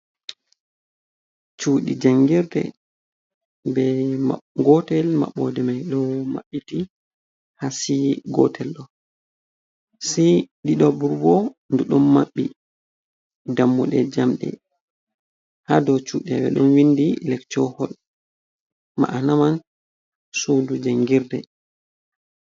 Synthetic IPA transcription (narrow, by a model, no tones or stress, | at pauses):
t͡ʃuːɗḭd͡ʒaŋɡiɾdɛ̰ | bɛaɡɔtɛlma̰ɓːɔ̰dɛmajɗɔma̰ɓːiti | hasiɡɔ̰tʰɛlɗɔ | siɗiɗɔbuɾbɔnduɗɔmːaɓːi | damːuɗɛd͡ʒamɗɛ̰ | hadɔt͡ʃuɗɛbɛ̰ɗɔnwindilɛkt͡ʃɔhɔl | ma̰ʔanaman | sundud͡ʒaŋɡiɾdɛ